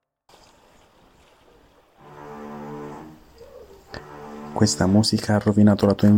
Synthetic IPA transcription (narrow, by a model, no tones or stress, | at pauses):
kwest̪amuːsikʰaarːovinaːt̪olat̪uaiɱ